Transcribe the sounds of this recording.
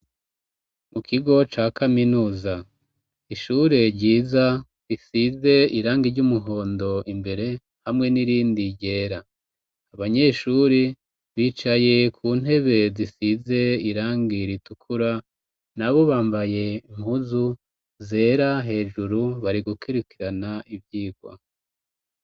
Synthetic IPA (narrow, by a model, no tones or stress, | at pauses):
mukʰiɡo̞t͡ʃaːkʰaminuːza | iʃuɾe̞ɾɟiːza | ɾisize̞iɾaːŋɡiɾɟumuɦo̞ːndo̞ʔimbe̞ɾe̞ | hamŋe̞niɾiːndiɟe̞ːɾaː | βaɲe̞ʃuɾi | βiːt͡ʃaje̞kʰuːn̥he̞βe̞zisize̞iɾaːŋɡiɾitukʰuɾa | naβo̞βaːmbaje̞iŋ̥huzu | ze̞ːɾaɦe̞ːʒuɾuβaɾiɡukʰiɾikiɾanaʔivjiːɡwa̰